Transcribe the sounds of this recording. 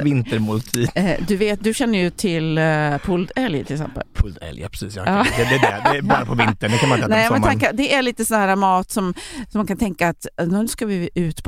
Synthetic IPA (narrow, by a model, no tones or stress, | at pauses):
vɪnt̪əɾmʊlt̪ʰiːd̪ɵveːt̪̚d̪ɵɕɛnːəjɵt̪ʰɪlpʰʊld̪ɛljt̪ʰɪləksɛ̰mpə̰lpʰʊld̪ɛ̰ljə̰pʰɾɛ̥sḭːsjɑ̰ːɑːɛd̪ɛdɛ̰d̪ɛbɑːɾapʰɔvɪnt̪əɳɖɛkanmanɪnɛmɛɛnʰakəd̪ɛæɭiːt̪əsɔnhæːɾamɑːt̪sɔmsɔmːankʰant̪ʰɛŋkaːt̪nskavɪʉ̟ːt̪pʰ